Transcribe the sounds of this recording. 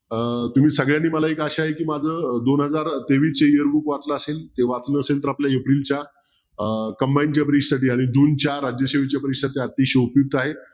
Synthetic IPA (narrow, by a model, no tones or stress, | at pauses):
ət̪um̤iːsəɡɭjanːiːməlaekaɕaaɦekiːmad͡zʱəːd̪onɦəd͡zaɾt̪eʋit͡seiəɾbukʋat͡sləaselt̪eʋat͡snəsent̪̬əɾapljajepɾilt͡ɕja | kəmbaint͡ɕjapəɾiʂsaʈiːaɽ̃id͡ʑuːnt͡ɕjaɾad͡ʑjəɕeʋ̤et͡ɕjapəɾiʂsat̪iːat̪ːiːɕeupjuk̚t̪aɦe